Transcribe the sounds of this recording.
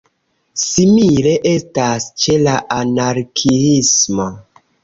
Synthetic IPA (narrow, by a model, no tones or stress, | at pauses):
simiɾe̞ʔe̞stast͡ʃelaʔanaɾkʰiismo